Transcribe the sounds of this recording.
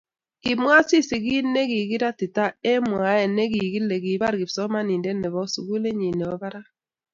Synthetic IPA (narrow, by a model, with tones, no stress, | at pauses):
i˨mwa˦si˦si˨ɣi˦ne˦ɣi˨ɣi˦ɾa˦tɪ˨ta˦e˦mwa˨˦ɛ˨ne˦ɣi˨ɣi˦le˨ɡi˨βa˦ɾɡi˨psɔ˦ma˦ni˨nde˦nɛ˨βɔ˦sṵ˨ɣu˦le˦ɲi˨ne˨o˦βa˦ɾa˦